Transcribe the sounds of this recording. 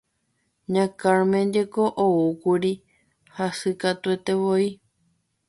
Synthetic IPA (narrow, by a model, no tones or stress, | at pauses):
ɲãkaɾmẽd͡ʒekoʔoukuɾi | hasɨkat̪uet̪ewoi